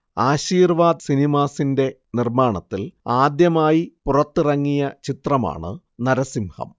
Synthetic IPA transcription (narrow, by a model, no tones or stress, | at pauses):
aːɕiːrʋaːd̪sinimaːsinde̞ | nirmaːɳɐt̪ːilaːd̪jɐmaːjipurɐt̪ːirɐŋːijɐt͡ɕit̪rɐma̰ːɳɨ̰ | nɐɾɐsimhɐ̰m